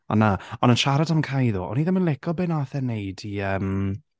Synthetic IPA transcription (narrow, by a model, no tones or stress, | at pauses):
ɔ̰nːaɔnənʃaɾadamkʰajðṵːʔɔ̰niðɪmənlˠɪkʰɔbɪːnaθɛnejdiəm